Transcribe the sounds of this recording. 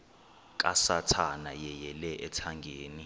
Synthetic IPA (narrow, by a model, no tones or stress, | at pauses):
k̬ʼasatʰanajɛjɛlɛʔɛtʰaŋɡʱeːni